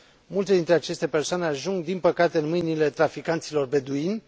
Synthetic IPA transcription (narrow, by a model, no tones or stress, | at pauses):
mult̪e̞d̪int̪ɾeat͡ʃe̞st̪e̞pe̞rsoane̞aʒuŋɡd̪inpəkat̪e̞ɨnmɨjnile̞t̪ɾafikant̪silo̞rbe̞d̪uinʲ